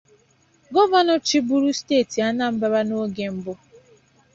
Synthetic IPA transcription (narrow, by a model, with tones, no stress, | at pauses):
ɡɔ˦va˦nɔ˨t͡ʃɪ˦bu˦ɾu˦steː˦˨ti˨a˦na˦m̩˦ba˦ba˦no˦ɡe˨m̩˦bʊ˦